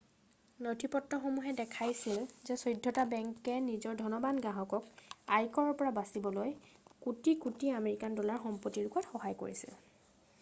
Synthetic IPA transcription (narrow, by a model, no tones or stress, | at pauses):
notʰipɔtnɔxomuɦɛdɛkʰajsilzɛsojdʱːɔtabɛŋkɛnizɔɹdʱɔnɔbanɡaɦɔkɔkajkɔɹɔɹpɔɹabasibɔlojkutikutiameɹikandɔlaɹxɔmpɔtːiɹukatxɔɦajko̰ɹḭsḭl